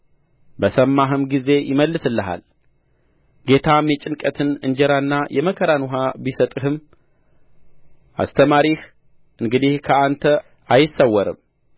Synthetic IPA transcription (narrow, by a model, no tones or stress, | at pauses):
bəsəmːaɦɨmɡize̞jɪməlːɨsɨlːəɦa̰l | ɡe̞t̪ʰamjɛt͡ʃʼɪnkʼət̪ʰɨnɨ̰ɲd͡ʒɛɾanːajʔɛməkʰəɾanuɦabisət̪ʼɨɦɨm | ʔa̰st̪ʰəmaɾih | ʔɨŋɡɨd̪ihkʰəant̪ʰə | ajɪsːəwːɔɾɨ̰m